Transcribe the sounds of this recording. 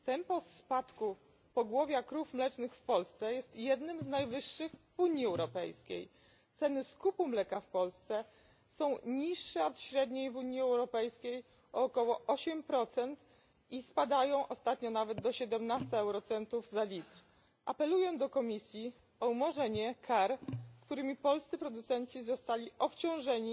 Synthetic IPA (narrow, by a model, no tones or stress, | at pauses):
t̪ɛmpɔspat̪ku | pɔɡwɔvʲjakɾufmlɛt͡ʂnɘxfpɔlst̪sɛjɛst̪jɛd̪nɘmznajvɘʂːɘxvuɲjiɛwɾɔpɛ̰jskʲḛj | t̪sɛnɘskupumlɛkafpɔlst̪sɛ | sɔ̃w̃ɲiʂːɛɔt̪ɕɾɛd̪ɲejvuɲjiɛwɾɔpɛjskʲej | ɔːkɔwɔʔɔɕɛmpɾɔt̪sɛnt̪ | ispad̪ajɔ̃w̃ʔɔst̪at̪ɲɔnavɛd̪d̪ɔɕɛd̪ɛmnast̪aɛwɾɔt̪sɛnt̪uvzalʲit̪ɾ | ʔapɛlujɛ̃d̪ɔkɔmʲisʲji | ɔumɔʐɛɲɛkʰaɾkt̪uɾɘmʲipɔlst̪sɘpɾɔd̪ut̪sɛnt͡ɕizɔst̪alʲiɔpt͡ɕɔ̃w̃ʐɛɲi